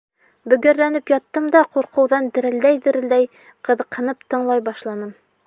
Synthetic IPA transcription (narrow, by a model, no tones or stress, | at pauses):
bɵ̆ɡɘ̆ɾːænɘpjɒt̪ːɤmd̪ɑquɾqʰɤ̆wðɑnd̪ɘ̆ɾɘ̆ld̪æjd̪ɘ̆ɾɘ̆ld̪æj | qɤ̆ðɤ̆qʰɤ̆nɤpt̪ɤ̆ɴlˠɑjbɑʃlˠɑnɤm